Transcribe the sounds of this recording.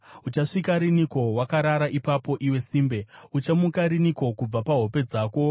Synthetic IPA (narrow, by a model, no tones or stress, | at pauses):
ut͡ʃaʂikaɾiniko̞wakaɾaɾaʔipapo̞ʔiwe̞siːmbe̞ut͡ʃamukaɾiniko̞kub͡vapaɦo̞pe̞d͡zaːko̞